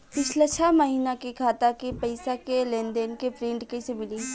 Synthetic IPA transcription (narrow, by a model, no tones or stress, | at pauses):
pɪt͡ʃʰlet͡ʃʰamɐɦiːnakekʰaːt̪akepɐɪsakelẽːnd̪enkepɾɪ̃ːɳʈkesemɪliː